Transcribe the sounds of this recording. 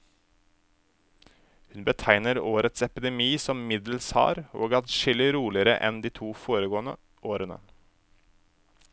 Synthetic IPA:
hʉnbət̪ʰæɪnəɾoːɾʔət̪sɛpd̪ɛmiːsɔmmɪd̪l̩shɑ̰ːɾo̰ːɡɑt̪ʃɪlɪɾuːlɪəɾəʔɛ̰nd̪iːt̪ʰuːfoːɾəɡoːnə | ʔoːɾənə̰

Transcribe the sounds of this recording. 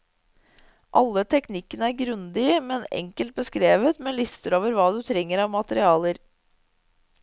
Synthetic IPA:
ʔɑlːət̪ʰɛknɪkːənəæɾɡɾʉnd̪ɪəmɛnɛ̰ŋkəlt̪̚bəskɾeːʋət̪meːlɪst̪əɾoːʋəɾʋɑːd̪ʉt̪ʰɾɛŋːəɾɑʋmɑt̪əɾɪɑːləɾ

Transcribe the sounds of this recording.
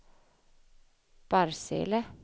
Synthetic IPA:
b̥aɾsḛlə

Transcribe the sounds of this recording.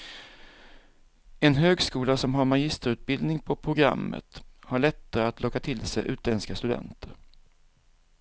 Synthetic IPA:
ɛnɦøːɡskuːlasɔmɦaɾmaɡɪst̪əɾʉ̟ːt̪̚bɪld̪nɪŋpʰɔpʰɾʊɡɾa̰mːə̰t̪haɭɛt̪ːaɾəat̪lʔɔkːat̪ʰɪlsɛ̰jʔʉ̟ːt̪ʰlɛnskast̪ɵd̪ɛ̰nt̪ʰəɾ

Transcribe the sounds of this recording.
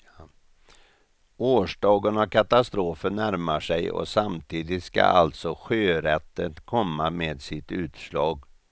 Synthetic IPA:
oːʂɖɑːɡənakʰat̪ast̪ɾoːfənːæɾmaʂɛjɔ̰samt̪ʰiːd̪ɪt̪ska̰a̰lt̪sɔɧøːɾɛt̪ːət̪kʰɔmːameːd̪sɪt̪ʉ̟ːt̪ʂɭɑːɡ

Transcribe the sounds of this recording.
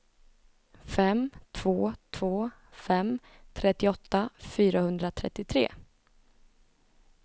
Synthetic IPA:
fɛmt̪ʰv̥oːt̪ʰv̥oː | fɛm | t̪ʰɾɛt̪ːɪɔt̪ːafyːɾahɵnd̪ɾat̪ʰɾɛ̰t̪ːɪt̪ʰɾḛː

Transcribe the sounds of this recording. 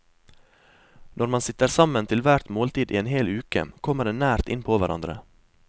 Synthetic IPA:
nʔɔɾmɑnsɪt̪əɾsɑmənt̪ʰɪlʋæɾt̪moːlt̪iːd̪ʔiːeːnɦheːlʉːkə̰kʰɔməɖeːnæːɾt̪ɪ̰npʰoːʋæɾʔɑ̰nd̪ɾə̰

